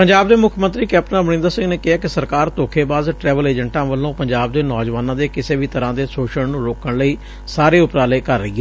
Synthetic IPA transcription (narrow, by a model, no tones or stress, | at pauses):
pəɲd͡ʒaːbd̪eːmʊkʰmənt̪ɾiːkɛːp̚ʈənaːbənɪ̃nd̪əɾsɪ̃ŋɡneːkɪɦaːkɪsəɾkaːɾt̪oːkʰeːbaːzʈɾɛːʋəleːd͡ʒəɳʈãːʋəlːõːpəɲd͡ʒaːb̚d̪eːnɔːd͡ʒʋaːnãːd̪eːkɪseːʋiːt̪əɾãːd̪eːsoːʃəɽnũːɾoːkəɳləiː | saːɾeːʊpɾaːleːkəɾːəiːɦɛː